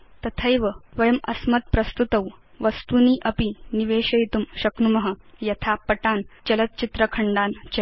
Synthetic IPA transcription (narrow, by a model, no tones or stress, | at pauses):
t̪ɐt̪ʰɐjʋɐʋɐjɐmɐsmɐt̪̚pɾɐst̪ut̪ɐw | ʋɐst̪uniːʔɐpiniʋeːɕɐjt̪umɕɐknumɐɦə̆jɐt̪ʰapɐʈaːnt͡ɕɐlɐt̪̚t͡ɕit̪ɾəkʰɐɳɖaːnt͡ɕɐ